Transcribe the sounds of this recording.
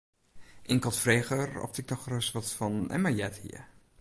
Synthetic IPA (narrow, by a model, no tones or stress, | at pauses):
ʔɪŋkɔtfreːxərɔ̰f̚tɪk̚nɔxrəsʋɔtfɔnɛ̰məjɛthḭə